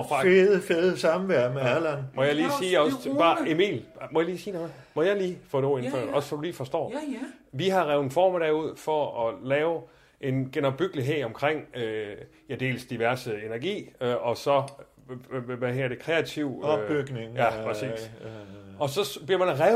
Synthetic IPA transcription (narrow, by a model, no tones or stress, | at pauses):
ʁɑeðˠəfeðˠəsɑ̈mʋæɐ̰meælænmɒjɑ̈ɪliːsiːɒ̽sʰb̥ɑ̈ːemḭːlmɒjɑ̈liːsiːnom | mɒ̽jɑ̈ɪliːfɔ̽ːdeo̝en̩fɶ̰ɐ̰ɒ̽ssɒd̥uliːfɒ̽sd̥ɒ̰ːʋiɦɑ̈ʁaʊðˠenfɒ̰ːmæɾ̥æuð̞̰ˠfɒ̽ɒ̽lɛːʊ | ʔe̝nɡ̥enɒb̥yɡ̥əliɦe̝ð̰ˠɒ̽mkʰʁeŋ̰ø | jæd̥e̝̰ːlsd̥iʋæɐsəe̝nɐɡ̥ḭːɒ̽sɒ̽ | ʋæheɐ̰d̥e̝kʰʁɛæt͡sʰiʊ̰̥yɡ̥neŋjæpʰʁɛsḭːs | ɒ̽sɒ̽sb̥liɐmænæʁaʊ